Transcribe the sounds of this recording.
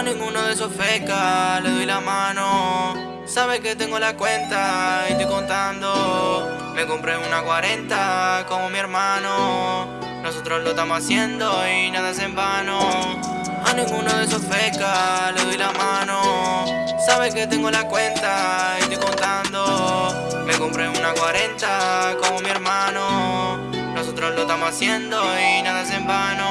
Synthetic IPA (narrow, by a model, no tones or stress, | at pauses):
aniŋɡunoðes̬ofɛkaleðɔjlamano | saβeket̪ɛŋɡolakwɛnt̪ait̪okont̪and̪o | mekompɾeunakwaɾɛnt̪akomomieɾmano | nosot̪ɾolost̪amoasjɛnd̪oinaðas̬embano | a̰niŋunoðes̬ofɾɛkːaled̪ɔjlamano | saβeket̪ːɛŋɡolakwɛnt̪aest̪ikont̪and̪o | mekompɾeunakwaɾɛnt̪akomomieɾmaːno | nosot̪ɾolost̪amoasjɛnd̪oinaðas̬embano